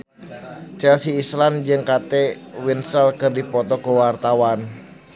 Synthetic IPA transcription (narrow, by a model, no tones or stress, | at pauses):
t͡ʃɛlsiːsland͡ʒɨŋkat̪ɛwinsəlkɨrdipɔt̪ɔkuwart̪awan